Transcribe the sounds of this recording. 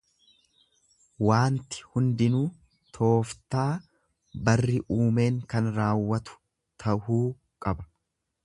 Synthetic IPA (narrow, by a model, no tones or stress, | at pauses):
waːnt̪ɪ̥hʊnd̪ɪnuː | t̪ʰo̞ːft̪aː | bɐrːɪʔuːme̞ːŋkɐnɾaːwːɐt̪ʊ̥ | t̪ʰɐhuː | kʼɐbɐ̥